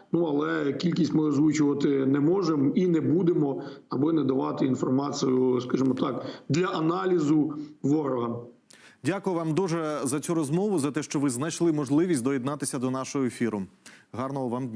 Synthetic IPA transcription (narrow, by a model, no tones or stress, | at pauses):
nuɐlˠɛkʲilʲkʲisʲtʲmɪɔzʋut͡ʃʊʋɐt̪ɪnɛmɔʒeminɛbud̪emɔɐbɪnɛd̪ɐʋɑt̪ɪinfɔrmɑt͡sʲijʊskɐʒɪmɔt̪ɑkd̪lʲɐʔɐnɑlʲizʊʋɔɾɔɦɐ | dʲakʊjʊʋɑmd̪uʒɛzɐt͡sʲuɾɔzmɔʋʊzɐt̪ɛʃt͡ʃɔʋɪznɐjʃlˠɪmɔʒlˠɪʋʲisʲtʲd̪ɔjid̪nɑt̪ɪsʲɐd̪ɔnɑʃɔɦɔefʲiɾʊɦɑrnɔɦɔʋɑmd̪ʲnʲ